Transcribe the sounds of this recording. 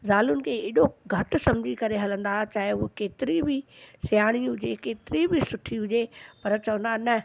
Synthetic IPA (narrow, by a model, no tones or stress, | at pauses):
zaːlʊnɪ̆kʰeeːɗoɡʱɐʈʊsɐ̃md͡ʑʱikɐɾeɦɐlə̃nd̪aːt͡ɕaːɦeokeːt̪ɪɾibɪsɪjaːɽ̃iɦʊd͡ʑekeːt̪ɪɾibʱisʊʈʰiɦʊd͡ʑepɐɾt͡ɕɐʋə̃nd̪aːɦnɐ